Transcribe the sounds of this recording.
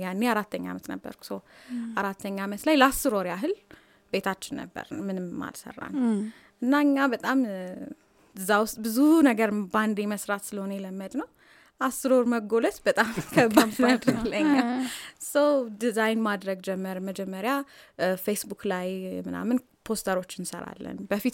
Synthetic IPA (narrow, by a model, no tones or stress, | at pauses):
janːeaɾat̪ʰːəɲːa̰mət̪nə̰bːə̰ɾkʰu̥səwaɾat̪ʰːəɲːamət̪lajləasːɨɾoɾjaɦɨl | be̞t̪ʰat͡ʃːɪnːə̰bːə̰ɾmɨnɨmːa̰lsə̰rːa̰n | ʔɨnːaɨɲːabət̪ʼam | ɨzːawʊst̪ʼbɨzunəɡəɾband̪eməsɾat̪sɨləhonəjɛləmːəd̪nəw | ʔasːɨɾoɾməɡo̞lət̪bət̪ʼamkʰəbanəɨləɲːasəwd̪izajnmad̪ɾəɡd͡ʒɛmːəɾməd͡ʒɛmːəɾjafejsbuklajmɨna̰mːɨn | pʰo̞st̪ʰəɾo̞t͡ʃːɨnsə̰ɾa̰lːə̰nbəfit̪